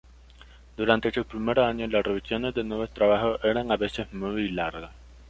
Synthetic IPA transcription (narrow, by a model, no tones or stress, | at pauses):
d̪̥uɾant̪esupɾimeɾoaɲolasreβisjonezðenweβest̪ɾaβaxoʔeɾaŋaβesesmujjlaɾɣas